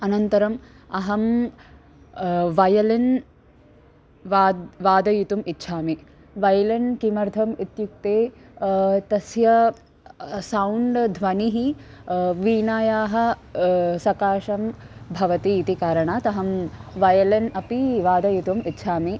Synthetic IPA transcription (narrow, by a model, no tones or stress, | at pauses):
ɐnɐnt̪ɐɾɐm | ɐɦɐm | ʋɐjɐlɐn | ʋaːʋaːd̪ɐjut̪umitːʃʰaːmi | ʋɐjɐlɐnkimɐɾd̪ʰʱɐmit̪juk̚t̪eː | t̪ɐsjɐ | sɐwuɳɖd̪ʱʋɐniɦi | ʋiːnaːjaːɦɐ̆ | sɐkaːʃɐmbʱɐʋɐt̪iːt̪ikaːɾɐɳaːt̪ɐɦɐmʋɐjɐlɐnɐpiʋaːd̪ɐjut̪umit̪ːʃʰaːmi